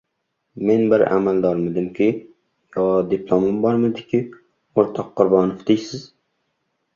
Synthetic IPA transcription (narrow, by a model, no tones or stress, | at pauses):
menbɪɾa̰mald̪ɒɾmɪd̪ɪmkʲʰi | jɒd̪iplˠomɪmbɒɾmɪd̪ɪkʲʰi | oɾt̪ʰɑqːʊɾbɑːnofd̪ejsɪz